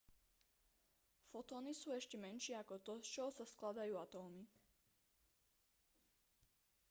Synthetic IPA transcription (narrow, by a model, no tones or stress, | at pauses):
fɔt̪ɔːnisuːɛʃcɛmɛnʃɪɛakɔt̪ɔst͡ʃɔɦɔsasklad̪ajuːat̪ɔːmi